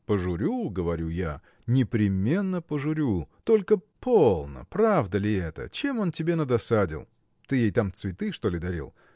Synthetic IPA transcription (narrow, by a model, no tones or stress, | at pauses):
pəʐʊɾʲuɡəvɐɾʲuja | nʲɪpɾʲɪmʲe̞nːəpəʐʊɾʲut̪o̞lʲkəpo̞lˠnə̰pɾavd̪əlʲɪɛt̪ə̰t͡ɕemo̞ntʲɪbʲe̞nəd̪ɐsadʲɪ̰lˠ | t̪ɨjejt̪amt̪svʲɪt̪ɨʂt̪o̞lʲɪd̪ɐɾʲḭlˠ